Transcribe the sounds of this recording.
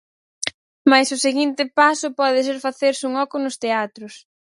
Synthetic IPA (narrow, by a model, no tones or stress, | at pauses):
majsʊseɣint̪ɪpasʊpɔðɪs̬eɾfaθeɾsɪuŋɔkʊnʊst̪eat̪ɾʊs